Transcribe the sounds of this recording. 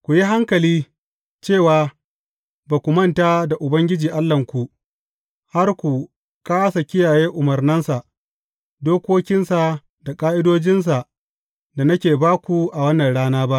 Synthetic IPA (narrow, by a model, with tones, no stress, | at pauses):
kʷu˨ji˦ɦa˦ŋkɐ˨liː˦ | t͡ʃeː˦˨waː˨ | baː˨kʷu˨mɐ˦nta˦da˨ʔʊ˨bɐ˦ŋɡʲɪ˦d͡ʒiː˨ʔa˦lːɐ˨ŋkʷu˨ʔ | ha˦rkʷu˨ | kaː˦sa˨kʲɪ˦jaː˨jeː˦ʔʊ˨mɐ˨rnɐ˦nsa˨ʔ | doː˦kʷoː˦kʲɪ˦nsa˨ | da˨kʼaː˦ʔɪ˦doː˦d͡ʒɪ˦ns̬a˨ʔ | da˨nɐ˦kʲeː˨baː˦kʷu˨ʔa˨wɐ˦nːɐ˨nɽaː˦naː˦ba˦ʔ